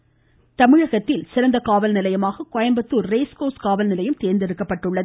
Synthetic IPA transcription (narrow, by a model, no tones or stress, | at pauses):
t̪ɐmɪɻɐɣɐt̪ːɪlsɪɾɐnd̪ɐkaːʋɐlnɪlɐjɐmaːɣɐkɔjɐmbɐt̪ːuːɾreːskoːskaːʋɐlnɪlɐjɯmt̪eːɾnd̪ɪɾɯkːɐpːɐʈːɯɭːɐð